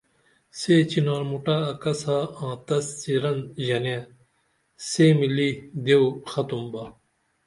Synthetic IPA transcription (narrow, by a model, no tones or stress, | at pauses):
set͡ɕinaːɾmuʈaɐkɐsaãːt̪ɐst͡siɾɐnʑɐnjẽ | semilid̪ewxɐt̪umbɐ